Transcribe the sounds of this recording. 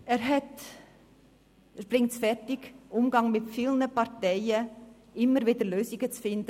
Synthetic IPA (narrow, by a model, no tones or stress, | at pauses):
ɛːɾɦɛt | b̥ɾɪŋtsfɛɾtɪɡʔʊmɡɑŋmɪtfiːlnəpɑɾtɛɪə | ʔɪmːəɾviːdəɾløːsɪɡ̥ət͡sfɪndə